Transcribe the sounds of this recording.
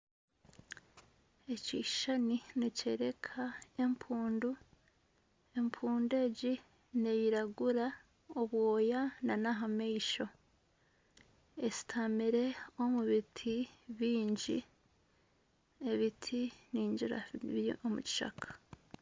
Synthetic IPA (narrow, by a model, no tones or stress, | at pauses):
e̞ciʃaninece̞ɾe̞kʰae̞mpʰuːndu | e̞mpʰuːnde̞ɟi | nejiɾaɡuɾa | oβwo̞ːjananaɦameiʃo̞ | e̞si̥tʰamiɾe̞o̞muβitʰiβiːɲɟi | e̞βitʰiniːɲɟiɾa̰omṵci̥ʃa̰kʰḁ